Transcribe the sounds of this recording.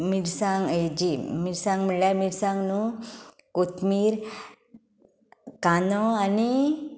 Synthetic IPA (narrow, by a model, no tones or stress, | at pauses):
miɾsãŋɡed͡ʑimiɾsãŋɡm̤əɳljamiɾsãŋɡnu | kot̪miːɾ | kanɔani